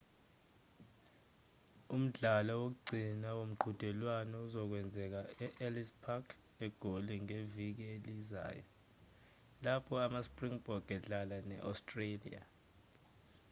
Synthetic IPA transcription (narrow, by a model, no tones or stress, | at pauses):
um̩ɮalɔwok̬uɡ͡ǀʱinawom̩ɡ͡ǃʱud̥ʱɛlwanɔuzɔk̬wɛnd͡zʱɛk̬aɛʔɛlispʰakʰ | ɛɡ̥ʱoliŋevik̬ieliza̰ːjɔ̰ | lapʰɔamaspʼriŋb̥ʱɔɡ̥ʱɛɮalanɛ̰ʔa̰stʼrelḭa̰